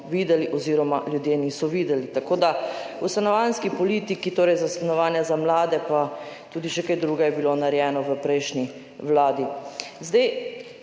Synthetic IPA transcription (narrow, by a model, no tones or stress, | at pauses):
ʋiːd̪ɛliʔɔziːɾɔmaljud̪jenisɔʋiːd̪ɛlit̪akoːd̪a | ust̪anɔʋanskipɔliːt̪ikit̪oːɾɛjzast̪anɔʋaːnjazamlaːd̪ɛpat̪uːd̪iʃɛkajd̪ɾuɡɛjɛbilonaɾjɛːnɔʋəpɾɛjʃni | ʋlaːd̪izd̪aj